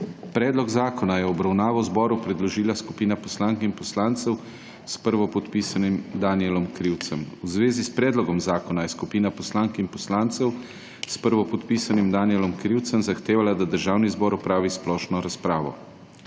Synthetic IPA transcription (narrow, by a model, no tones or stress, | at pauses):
pɾɛːd̪lɔɡzaːkɔnajɛɔbɾawnaːʋɔwzbɔːɾupɾɛd̪lɔʒiːlaskupiːnapɔslaːŋkinpɔslaːnt̪sɛw | spəɾʋɔpɔt̪pisanimd̪aːnijɛlɔmkɾiwt̪sɛmwzʋeːzispɾɛːd̪lɔɡɔmzaːkɔnajɛskupiːnapɔslaːŋkinpɔslaːnt̪sɛw | spəɾʋɔpɔt̪piːsanimd̪aːniɛlɔmkɾiwt̪səmzaxt̪eːʋalad̪ad̪əɾʒaːwnizbɔːɾɔpɾaːʋisplɔːʃnɔɾaspɾaːʋɔ̰